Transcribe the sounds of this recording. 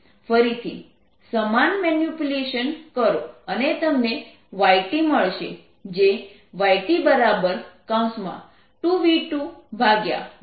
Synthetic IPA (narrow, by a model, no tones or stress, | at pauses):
fəɾit̪ʰḭ | səmanmɛnjupjuleʃənkəɾoənet̪əmne | ʋaiʈiməɭʃe | d͡ʒe | ʋaiʈibəɾabəɾkãw̃smã̰ | ʈuʋiʈubʱaɡja̰